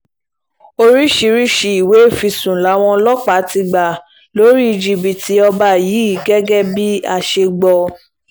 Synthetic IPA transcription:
o˧ɾi˦ʃi˧ɾi˦ʃi˧i˨we˨˦˨fi˧sũ˨la˨˦w̃ɔ̃˧lɔ˦k͡pa˨˦ti˧ɡ͡ba˨ | lo˨˦ɾi˦i˧d͡ʒi˨bi˨tʰi˧˦ɔ˧ba˧˨ji˨˦i˦˨˦ɡɛ˦ɡɛ˦bi˦a˧ʃe˧ɡ͡bɔ˧

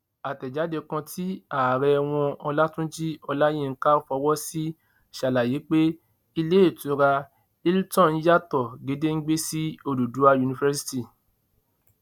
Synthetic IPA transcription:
a˨tɛ˨d͡ʒa˨˦de˧kã˧tʰi˦a˨ɾɛ˧w̃ɔ̃˧ɔ˧la˦tũ˦d͡ʒi˦ɔ˧la˦j̃ẽ˦˨ŋ̩˦ka˦fɔ˧wɔ˦si˦ | ʃa˨la˨ji˨˦k͡pe˦ | i˧le˦e˦˨tũ˨˦ɾa˧ | i˦ltɔ̃˦˨n̩˦ja˦tɔ˨ɡe˨˦de˦ŋ̩˦ɡ͡be˦si˦o˧du˨du˨˦a˧ju˧nĩ˧fɛ˦s̬i̥˦ti˨

